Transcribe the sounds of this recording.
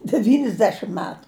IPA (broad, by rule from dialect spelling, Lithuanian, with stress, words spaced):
dʲɛʋʲiːnʲɪzʲˈdʲæːʃʲɪm ˈmʲæːtʊ